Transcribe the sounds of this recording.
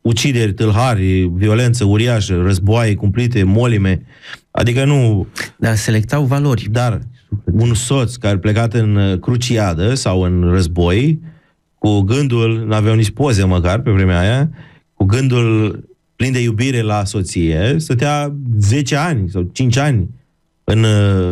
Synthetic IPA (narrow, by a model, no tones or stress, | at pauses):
ut͡ʃid̪e̞rʲt̪ɨlɦarʲvio̞le̞nt̪səuɾiaʃərəzboajekumplit̪e̞mo̞lime̞a̰d̪ikənud̪arse̞le̞k̚t̪awvalo̞rʲd̪arunso̞t̪skaɾeple̞kat̪ɨnkɾut͡ʃiad̪əsawɨnrəzbo̞j | kuɡɨnd̪ulnuavejawnit͡ʃʲpozeməkarpe̞vɾe̞meaja | kuɡɨnd̪ul | plind̪e̞jubiɾe̞laso̞t̪sijesət̪̬eaze̞t͡ʃeanʲsawt͡ʃint͡ʃʲanʲ | ɨn